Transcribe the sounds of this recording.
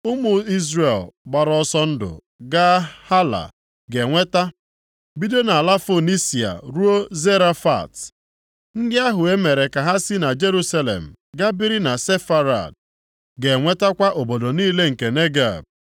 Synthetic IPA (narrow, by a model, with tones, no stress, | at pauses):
ʊ˦mʊ˨i˦zɾe˨lɡ͡ba˨ɾɔ˦sɔ˦n̩˦dʊ̰˨ | ɡa˦ha˦la̰˨ | ɡe˨ŋʷe˦ta˦ | bi˦do˦na˨la˦fo˨ni˦si˨a̰˨ɾu˦o˦ze˦ɾa˦fa̰˨t | n̩˦dɪ˦a˦ɦʊ˨e˦me˨ɾe˨ka˨ɦa˦sɪ˦na˨d͡ʒe˦ɾu˦sa˦lḛ˨m̩˨ | ɡa˦bi˦ɾi˦na˨se˦fa˦ɾa̰˨d̚ | ɡe˨ŋʷe˦ta˦kʷa˦ʔo˨bo˨do˨niː˦le˦ŋ̩˨ke˨ne˦ɡa̰˨b̚